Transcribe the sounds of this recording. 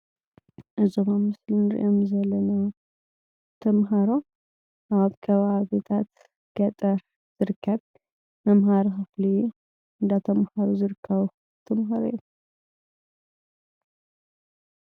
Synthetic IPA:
ʔɨzomamɨslɨnɨɾ̰ʔomzɐlːɐna | t̪ʰɐmɦaɾo | ʔaβkʰɐβaβet̪ʰat̪ | ɡ̥ɐt̪ʼɐɾ | z̥ɨɾɨkʰːɐβ | mɐmɦaɾxɨfli | ɨnd̪at̪ʰɐmhaɾozɨɾɨkʰːɐβ | t̪ʰɐmɦaɾoj

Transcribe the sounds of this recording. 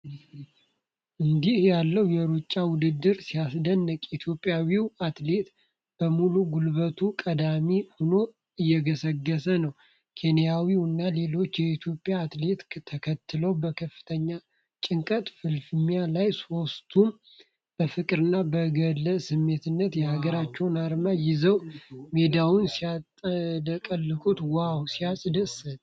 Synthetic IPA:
ʔɨnd̪ihjalːəwjɛɾut͡ʃʼːawʊd̪ɨd̪ːɨɾsijasd̪ənːəkʼit̪ʰjo̞pʼːjawiwat̪le̞t̪ | b̥əmuluɡulβət̪ʰukʼəd̪amihono̞ | ɨjːɛɡəsəɡːəsənəw | kʰe̞nijawiwɨnːale̞lo̞t͡ʃːjɛit̪ʰjo̞pʼːjaːt̪le̞t̪t̪ʰəkʰət̪ːɨləwbəkʰəfːɨ̥t̪ʰəɲːa | t͡ʃʼɪŋkʼət̪ʼfɨlfɨmijalajso̞st̪ʰum | b̥əfɨkʼɾɨnːabəɡələsɨmːe̞t̪ɨnːət̪jɛhaɡəɾat͡ʃːɛwnaɾmajɪzəwmed̪awunsia | ləkʼəlːɨkʼut̪wawsijasʼd̪əsət̪ʼ

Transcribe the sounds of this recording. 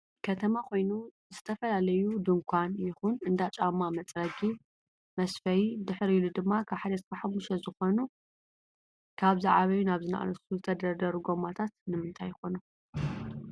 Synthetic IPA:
kʰɐt̪ʰɐmakʰo̞jnu | zɨt̪ʰɐfɐlalɐjud̪ɨŋkʷʰanjɪxunɨnd̪at͡ʃʼamːamɐt͡sʼɾɐd͡ʒi | mɐsfɐjid̪ɨħɾijlud̪ɨmːakʰaβħad̪ɐt̪kʰaħamːuʃɐzɨxo̞nu | kʰaβzaʕaβɐjunaβzɨna̰ʔa̰nɐsuzɨt̪ʰɐd̪ɐɾd̪ɐɾuɡo̞mat̪ʰat̪nɨmɨnt̪ʰajxo̞nu

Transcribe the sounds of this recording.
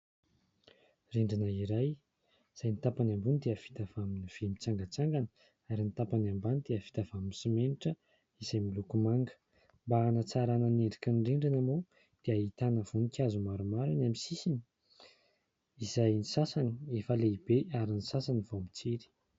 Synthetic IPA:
riɳɖ͡ʐinəiɾaj | z̥ajnit̪apanambunid̪eəv̥i̥t̪avaminiv̥emit͡saŋɡət͡saŋɡanə̥ | aɾinit̪apanambanid̪eəvi̥t̪avamisimeniʈ͡ʂə | izajmilukumaŋɡə̥ | mbaːnat͡saɾanəneɳɖ͡ʐi̥kʲənɖ͡ʐiɳɖ͡ʐinəmo | d̪̥eait̪anəvunikʲazumaɾumaɾanamisisini̥ | izajnisasaniefəleibeʔaɾinisasanivomit͡siɾi̥

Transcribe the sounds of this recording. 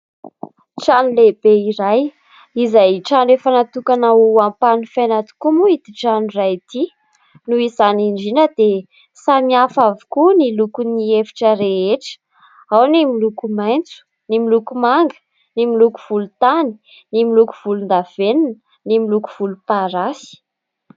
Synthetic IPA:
ʈ͡ʂanilebeiɾaj | izajʈ͡ʂanefanat̪ukanaampanifajnat̪u̥kumuid̪iʈ͡ʂanirajt̪i | nuizaniɳɖ͡ʐinəd̪̥e | samiafavu̥kunilukuniefi̥ʈ͡ʂəɾeeʈ͡ʂə̥ | awnimilukumajnt͡su̥ | nimilukumaŋɡə̥ | nimiluku̥v̥ulut̪ani̥ | nimilukuv̥ulund̪av̥enin | nimiluku̥v̥ulupaɾasi̥

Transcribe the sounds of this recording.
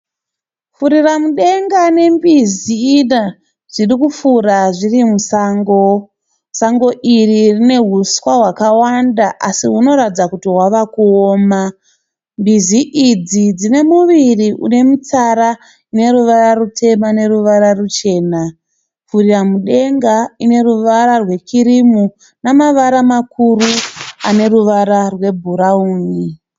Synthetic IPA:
fuɾiramuɗe̞ŋɡane̞mbizina | ʐ̥irikufuraʐirimusaːŋɡo̞ | saŋɡo̞ʔiririne̞ɦuswaɦwakawandaʔasiɦuno̞ɾatd͡zakutiɦwaʋakuoːma | mbiziʔid͡zid͡zine̞muʋiriʔṵne̞mut͡saɾa | ine̞ɾuʋaɾarutʰe̞mane̞ɾuʋaɾarut͡ʃe̞ːna | furiramuɗe̞ŋɡaine̞ruʋaɾarwe̞kiɾimu | namaʋaɾamakuruane̞ɾuʋaɾarwe̞bʱuɾauːni

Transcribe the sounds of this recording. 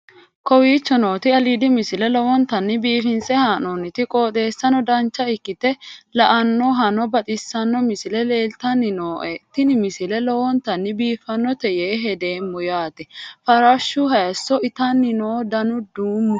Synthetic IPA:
kɔwiːt͡ʃːɔno̞ːt̪ɪɐlid̪ɪmɪsɪlɛlɔwɔnt̪ɐnːɪbiːfɪnsɛhaːnonɪt̪ɪkʼo̞ːt̪ʼe̞ːsːɐnɔd̪ɐnt͡ʃːɐɪkːɪt̪ɛlɐʔɐnːɔɦɐnɔbɐt̪ʼɪsːɐnːɔmɪsɪlɛle̞ːlt̪ɐnːɪnoːʔɛt̪ːɪnɪmɪsɪlɛlɔwɔnt̪ɐnːɪbiːfɐnːɔt̪ɛjeːɦɛd̪eːmːʊjaːt̪ɛfɐɾaʃːʊɦɐjɐsːɔʔɪt̪ɐnːɪnoːd̪ɐnʊd̪uːmːʊ

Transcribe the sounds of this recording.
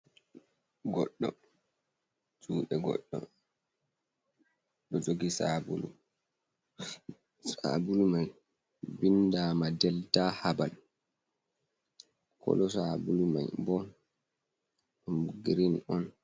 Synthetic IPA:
ɡɔɗːɔ̰ | d͡ʒuːɗɛɡɔ̰ɗːɔ̰ | ɗɔd͡ʒoɡisabulṵ | sa̰bulumaj | bindaːmadɛltahabal | kʰɔ̰lɔsabuluma̰jbɔn | umɡɾinɔn

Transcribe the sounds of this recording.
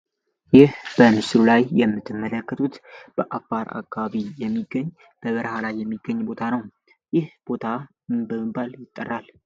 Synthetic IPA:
jɪhb̥ənɨsɾulajjɛmːɨt̪ʰːɨmːələkːət̪ʰʼut̪b̥əʔafːaɾʔa̰kːaβaβijɛmːiɡːəɲː | b̥əβɨɾhalajːɛmːiɡːəɲːbo̞t̪ʰanəw | jɪhb̥o̞t̪ʰa | bəmɨbaljɪt̪ʼːərːal

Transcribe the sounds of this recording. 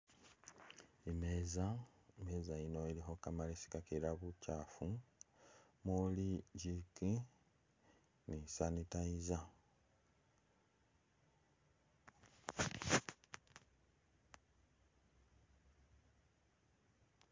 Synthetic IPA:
emeːzaimeːzaino̞iɾixo̞kamalesi̥kakeɾaβucafu | muliɟiki | nisanitaiza

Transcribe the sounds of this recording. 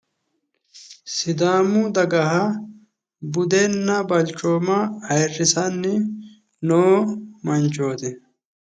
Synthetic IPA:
sɪd̪aːmʊd̪ɐɡɐɦɐ | bʊd̪enːɐbɐlt͡ʃoːmɐɐjrːɪsɐnːɪ | noːmɐnt͡ʃoːt̪ɪ

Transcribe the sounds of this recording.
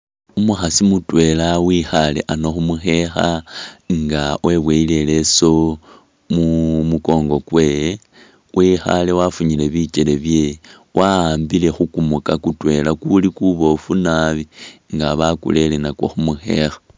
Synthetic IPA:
umuxasimutwe̞lawixalḛʔanoxumuxe̞xaŋɡawʔe̞βweile̞le̞so̞ | mumuko̞ŋɡo̞kwe̞je | wʔixa̰le̞wafuɲile̞βit͡ʃele̞βje̞ | waaːmbile̞xukumukakutwe̞lakulikuβo̞funaβiŋɡaβakṵle̞lenakwo̰xumuxe̞̰xḁ

